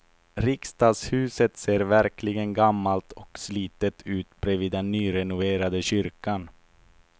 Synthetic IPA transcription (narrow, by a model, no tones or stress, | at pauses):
ɾɪkst̪ɑːd̪shʉ̟ːsət̪seːɾvæɾkʰlɪɡənɡamːalt̪ʰɔksliːt̪ət̪ʰʉ̟ːt̪bɾɛviːd̪ːɛnːyːɾɛnʊveːɾad̪əɕʏɾkan